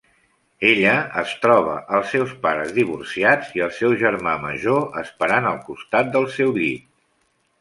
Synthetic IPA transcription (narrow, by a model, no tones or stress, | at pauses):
eʎəːst̪ɾɔβ̞əʔəlˠsːɛwspaɾəzðiβ̞ursiad͡ziəlˠsɛwʒəɾmamə̰ʒoəspəɾanəlˠkust̪at̪̚d̪əlˠsɛwʎit̪̚